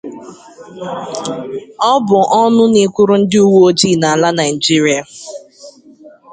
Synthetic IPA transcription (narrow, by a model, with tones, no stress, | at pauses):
ɔ˦bʊ˨ʔɔ˦nʊ˦ni˨kʷʊ˦ɾʊ˦n̩˦dɪ˦u˦wo˦d͡ʒiː˦˨na˨a˨la˦na˨ɪ˨d͡ʒi˦ɾi˦a˨